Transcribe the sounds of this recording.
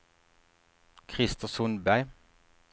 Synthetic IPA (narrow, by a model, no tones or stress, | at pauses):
kʰʁɪst̪əsʊnbæɪ